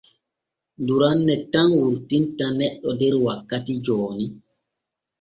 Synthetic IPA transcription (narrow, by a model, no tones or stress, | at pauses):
duɾanːɛtanwuɾtintanɛɗːɔdɛɾwakːatid͡ʒɔːni